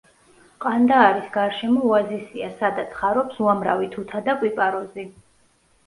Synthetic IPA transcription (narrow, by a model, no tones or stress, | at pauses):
qʼand̪aːɾisɡaɾʃɛmɔuazisiasad̪at̪sʰχaɾɔpsuamɾa̰vit̪ʰut̪ʰad̪akʼwipʼaɾɔzi